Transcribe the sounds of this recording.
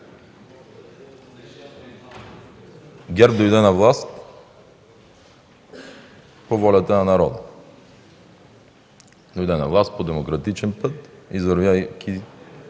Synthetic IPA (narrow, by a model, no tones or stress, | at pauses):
ɡʲɛɾp̚d̪ojd̪ɛnavlˠast̪ | povɔlʲat̪ananaɾɔd̪ə̰ | d̪ojd̪ɛnavlˠast̪̚pod̪ɛmokɾat̪it͡ʃɛnpɤt̪izvəɾvakʰʲi